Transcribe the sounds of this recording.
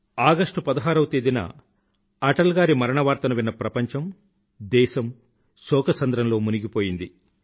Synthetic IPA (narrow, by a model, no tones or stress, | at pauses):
aːɡɐʂʈupɐd̪ɐɦaːɾɐwt̪eːd̪inɐ̰ | ɐʈɐlɡaːɾimɐɾɐɳɐʋaːɾt̪ɐnɐʋinːɐpɾɐpɐɲt͡ʃɐm | d̪ɛːʃɐm | sɔːkɐsɐnd̪ɾɐmlo̞ːmuniɡipo̞ːjind̪i